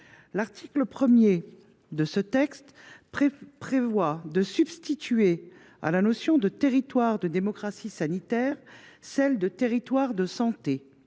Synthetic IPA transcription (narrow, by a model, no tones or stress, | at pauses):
laʁt̪ʰikləpχəmje | d̪əsət̪ɛkst̪ | pχevwad̪əsybst̪it̪ɥe | a̰lanɔsjɔ̃d̪ət̪eʁit̪waʁd̪əd̪emɔkχasisanit̪ɛʁsɛld̪ət̪eʁit̪waʁd̪əsɑ̃t̪e